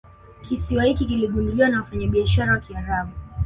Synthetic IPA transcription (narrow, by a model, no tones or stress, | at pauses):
kisiwahikikiliɠunduliwanawafaɲaɓiaʃaɾawakiaɾaɓu